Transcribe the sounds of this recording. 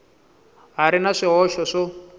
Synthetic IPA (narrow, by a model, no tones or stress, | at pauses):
ɦaɾinaʂiɦɔʃɔʂɔ